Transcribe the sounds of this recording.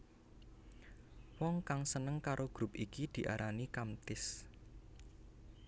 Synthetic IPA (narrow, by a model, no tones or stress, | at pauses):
wɔŋkaŋsənəŋkaɾʔoɡ̥ɾupikid̪̥i̤ʔa̰ɾʔanikamt̪ɪs